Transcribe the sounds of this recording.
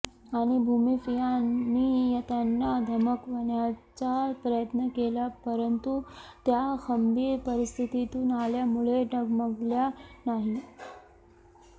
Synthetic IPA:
aɽ̃ibʱumifijaiːjət̪anːad̪ʱəməkʋəɳjat͡sapɾəjət̪nəkelapəɾənt̪ut̪jaxəmbiːɾpəɾist̪ʰit̪it̪uːnaljamuɭeɖəɡməɡljanaɦi

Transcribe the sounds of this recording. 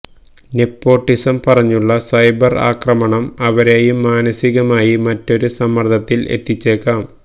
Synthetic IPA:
ne̞pːo̞ːʈːisɐmpɐrɐɲːuɭːɐsɐjbɐra̰ːkrɐmɐɳɐmɐʋɐɾeːjumːaːnɐsiɣɐmaːjimɐtːo̞ɾusɐmːɐrt̪ʰɐt̪ːile̞̰t̪ːit͡ɕːe̞ːkːaːm

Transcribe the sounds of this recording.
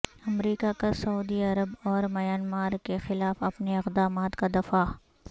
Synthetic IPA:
ɐmɾiːkakasɐuːd̪iɐɾəbɔːɾmɐjaːnmaːɾkexɪlaːfɐpneɪqd̪aːmaːt̪kad̪ɐfaː

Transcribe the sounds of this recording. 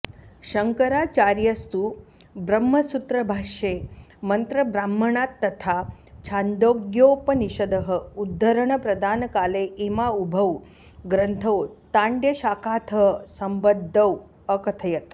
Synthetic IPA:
ʃɐŋkɐɾaːt͡ʃaːɾjɐst̪u | bɾɐmːɐsut̪ɾɐbʱaːʃemɐnt̪ɾəbɾaːm̤ːɐɳaːt̪ːɐt̪ʰa | t͡ʃʰand̪oːɡjoːpɐniʃɐd̪əɦə̆ud̪ʱːɐɾəɳ̃pɾɐd̪ʱaːnkaːleʔemaubʱɐw | ɡɾɐnt̪ʰɐwt̪aːɳɖjɐʃaːkaːt̪ʰəɦsɐmbəd̪ʱːɐw | əkɐt̪ʰɐjɐt̪

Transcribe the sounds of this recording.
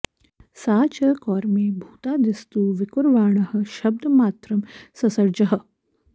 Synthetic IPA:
saːt͡ɕɐkɔːɾmeːbʱuːt̪ad̪ist̪uːʋikuɾʋaːɳɐɦə̆ʃɐb̚d̪ʱɐmaːt̪ɾɐmsɐsɐɾd͡ʑɐɦə̆

